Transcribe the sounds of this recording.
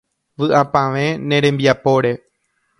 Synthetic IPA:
ʋɨʔapãʋẽ̞nẽ̞ɾẽ̞mbiapo̞ɾe̞

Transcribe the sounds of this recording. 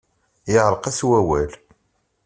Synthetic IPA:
jəʁɾˤqæswæwæl

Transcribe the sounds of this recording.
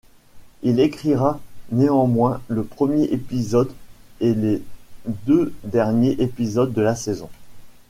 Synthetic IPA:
ilekχiʁaneɑ̃mwɛ̃ləpχəmjeʔepizɔd̪eled̪ød̪ɛʁnjeʔepizɔd̪ːəlasezɔ̰̃

